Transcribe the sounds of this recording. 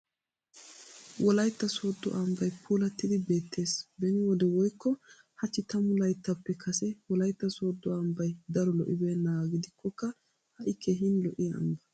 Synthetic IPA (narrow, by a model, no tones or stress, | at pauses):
wʔɔlɐjt̪ːɐsoːd̪ːɔ̰ʔɐmbɐjpʰuːlɐt̪ːɪd̪ɪbe̞ːt̪ːe̞ːsbɛnɪwɔd̪ɛwɔjkːɔ | hɐt͡ʃːɪt̪ɐmʊlɐjt̪ːɐpːɛkʰɐsɛwɔlɐjt̪ːɐsoːd̪ːɔɐmbɐjd̪ɐɾɔlɔʔɪbeːnːɐɡɪd̪ɪkʰːɔkːɐ | hɐʔɪkʰːeːɦɪnlɔʔɪɐ̰mbɐ